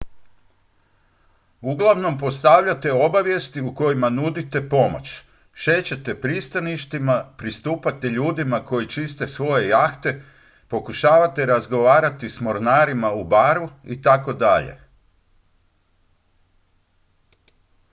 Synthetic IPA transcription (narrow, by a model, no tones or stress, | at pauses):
uɡlˠaʋno̞mpo̞st̪aʋʎat̪eo̞baʋje̞st̪iuko̞jimanud̪it̪e̞po̞mot͡ɕ | ʃe̞t͡ɕet̪e̞pɾist̪aniʃt̪imapɾist̪uːpat̪eʎuːd̪imako̞jit͡ʃist̪e̞sʋo̞je̞jaxt̪e̞ | po̞kuʃaːʋat̪eɾazɡo̞ʋaːɾat̪ismo̞ɾnaːɾimaubaːɾuit̪ako̞d̪aʎḛ